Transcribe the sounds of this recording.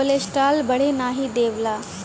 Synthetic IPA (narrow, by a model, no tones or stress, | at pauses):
oleːsʈaːlbɐɽ̤enaːɦid̪eːʋlaː